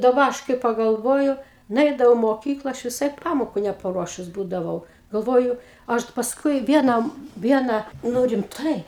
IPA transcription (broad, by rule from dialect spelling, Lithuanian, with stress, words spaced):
dɐˈbɐ ˈɐʃ kɐɪ pɐɡɐlˠˈʋoːjʊ nʊˈɛɪdɐʋɐʊ ɪ moːˈkʲiːklˠɐ ˈɐʃ ʋʲɪˈsɐɪ ˈpɑːmoːkʊ nʲɛpɐˈruɔʃʊs ˈbuːdɐʋɐʊ ɡɐlˠˈʋoːjʊ ˈɐʃ pɐsˈkʊɪ ˈʋʲiɛnɐm ˈʋʲiɛnɐ ˈnʊ rʲɪmˈtɐɪ